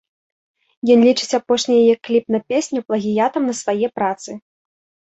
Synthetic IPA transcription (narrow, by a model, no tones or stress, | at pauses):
jɔnlʲit͡ʂɨt͡sʲapɔʂnʲɐjɐjɛkːlʲipnɐpʲesʲnʲuplˠɐɣʲijat̪ɐmnɐsvajɛpɾat̪sɨ